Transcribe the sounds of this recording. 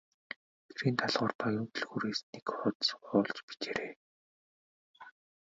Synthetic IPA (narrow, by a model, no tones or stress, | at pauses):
ɡ̪̥eɾiːnt̪ʰaɮʁʊːrpaɣʲʊnt̪ɵ̆ɮɣuːɾeːsnekχʊːt̪sʊːɮt͡ɕpi̥t͡ɕeːɾeː